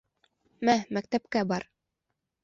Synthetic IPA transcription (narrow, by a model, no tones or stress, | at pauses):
mæmæk̚t̪æpkæbɑɾ